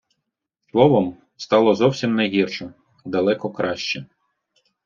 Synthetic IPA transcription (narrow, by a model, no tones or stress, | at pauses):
slˠɔʋɔm | st̪ɑlˠɔzɔwsʲimnɐɦirʃɔ | d̪ɐlˠɛkɔkɾɑʃt͡ʃɛ